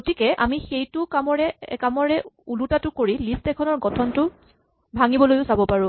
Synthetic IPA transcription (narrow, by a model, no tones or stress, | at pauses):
ɡotikɛʔa̰mixejtʊkamɔɹɛkamɔɹɛulutatʊkoɹilistɛkʰɔnɔɹɡɔtʰɔntʊ | bʱaŋibɔlojʊsabɔpaɹʊ̃